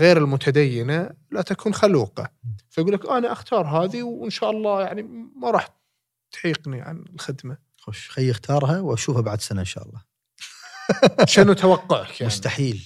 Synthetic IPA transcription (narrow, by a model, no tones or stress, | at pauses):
ɣeːɾɪlmʊt̪ʰad̪ajːɪnalat̪akʰuːnxaluːqɑ̰faɡuːlːakʔanaʔaxt̪ʰɑːɾˤɦaːðiwɪnʃaːʔɑlˤːɑːjaʕnimaɾˤɑːħ | t̪ʕiːqniʕa̰nɪlxɪd̪ma | xoʃxajːʔɪxt̪ʰɑːɾˤɦawʔaʃuːfhabaʕd̪sanaɪnʃa̰ːʔɑ̰lˤːɑː | ʃanːut̪awɑqːʊʕakjamʊʕst̪aħiːl